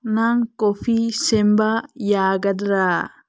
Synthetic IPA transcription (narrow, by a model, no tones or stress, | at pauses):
naŋkɔfiːsɛmbaːjaːɡɐd̪ɾaː